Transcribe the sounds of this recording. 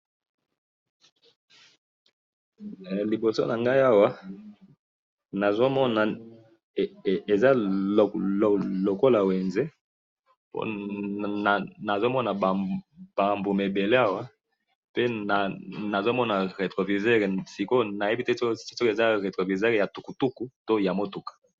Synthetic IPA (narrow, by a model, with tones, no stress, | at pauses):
li˨bo˨so̰˦na˨ŋɡa˦i˦a˦wa˦ | na˨zo˦mɔ˦na˨ | e˨za˦˨ | lo˨ko˦la˨we˨nze˦ | po̰˦˨ | na˨zo˦mɔ˦na˨b̥a˨mbo˨me˨be˨le˦a˦wa˦ | pe˦na˨na˨zo˦mɔ˦na˨ʁe˨tʁo˨vi˨ze˦ʁe˨si˨ko˦na˨je˦bi˦te˦ssi˦so˦ke˨za˦ʁe˨tʁo˨vi˨ze˦ʁe˨ja˨tu˨ku˨tu˦ku˦to˦ja˨mo˦tu˨kḁ˨